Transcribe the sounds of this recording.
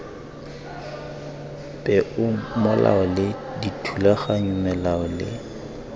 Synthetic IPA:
pʼɛʔʊmʊla̰ɔlɪ | ditʰulaχaɲʊmɛlaɔlɪ̰

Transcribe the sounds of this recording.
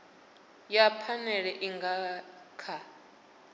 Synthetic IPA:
japʰanɛɺɛʔiŋɡa | kʰa

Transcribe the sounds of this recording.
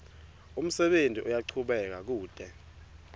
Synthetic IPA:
um̩sɛɓentʼiʔɔjaǀʰuɓɛk̬ak̬uːd̥ʱɛ

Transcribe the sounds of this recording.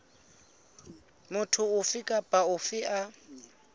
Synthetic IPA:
mʊtʰʊʊfɪkʼapʼaʊfɪʔa

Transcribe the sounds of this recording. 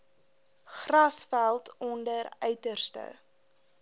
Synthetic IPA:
χrɐsfælˠtɔndəɾœɥtərstə̰

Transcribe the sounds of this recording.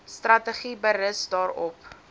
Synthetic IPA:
strɐtəχibəɾəsdɑːɾɔp

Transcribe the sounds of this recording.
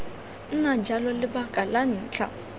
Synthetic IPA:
n̩nad͡ʒalɔlɪbakʼalan̩ːt͡ɬʰʼa̰

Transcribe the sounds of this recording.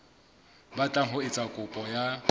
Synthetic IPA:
bat͡ɬʼaɦʊɪt͡sʼakʼʊpʼɔja

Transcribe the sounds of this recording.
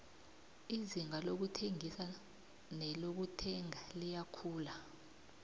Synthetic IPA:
iziŋalok̬utʰeŋisa | nɛlok̬utʰɛŋalijakʰuːla

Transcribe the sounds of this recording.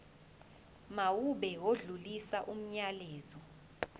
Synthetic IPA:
mawuɓɛwoɮulisaʔum̩ɲaleːzɔ

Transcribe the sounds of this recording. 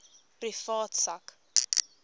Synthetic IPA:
pɾifɔtsak

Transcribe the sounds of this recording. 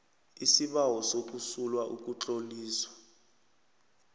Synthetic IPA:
isiɓawɔsok̬ʼusulwaʔuk̬ʼut͡ɬʼoliːswḁ

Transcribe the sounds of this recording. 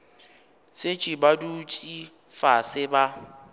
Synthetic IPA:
sɪt͡ʃʼibadut͡ʃʼi | fasɪba

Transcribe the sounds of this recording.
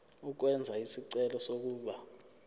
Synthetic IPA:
uk̬wɛnd͡zʱaisiǀɛlɔsok̬uːɓa

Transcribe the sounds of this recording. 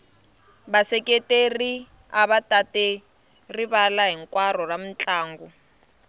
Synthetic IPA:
basɛkʼetʼeri | aβatʼatɛ | riβalaɦiŋkʼwarɔram̩t͡ɬʼaːŋɡu

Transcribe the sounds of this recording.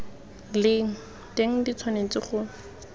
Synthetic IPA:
lɪŋ̩ | deŋ̩dit͡sʰwanet͡sɪχʊ

